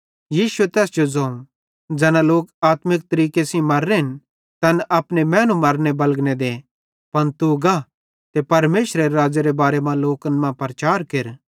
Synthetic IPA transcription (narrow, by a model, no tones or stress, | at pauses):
jiːʃuet̪ɛːsd͡ʒod͡zɐ̃ːũ | d͡zɛːnãloːkaːt̪mɪk̚t̪ɐɾiːkesĩmɐɾːeɦɪn | t̪ɐnʔɐpnemɛ̃ːnumɐɾnebɐlɡned̪e | pɐnt̪uɡa | t̪epɐɾmeːʃɾeɾeɾaːd͡zeɾebaːɾemãloːkənmãpɐɾt͡ʃaːɾkeɾ